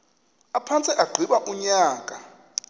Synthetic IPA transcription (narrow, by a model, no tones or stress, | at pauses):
apʰant͡sʼiʔaɡ͡ǃʱiɓaʔuɲaːkʼa